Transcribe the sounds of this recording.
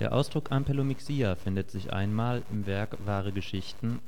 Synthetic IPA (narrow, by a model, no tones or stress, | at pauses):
d̥eːɐʔa̰ʊsd̥ʁʊkampʰɛlomiksiːafɪndətz̥ɪçʔa̰ɪnmaːlɪmvɛɐkv̥aːʁ̞əɡəʃɪçtn̩